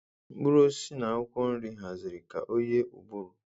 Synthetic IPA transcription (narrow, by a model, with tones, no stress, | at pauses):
m̩˦ɡ͡bu˦ɾo˦si˦na˨˦ɔ˦kʷɔ˦n̩˦ɾi˦ɦa˨zɪ˨ɾi˨ka̰˨ʔo˦je˦ʔu˨ɡ͡bu˦ɾu˨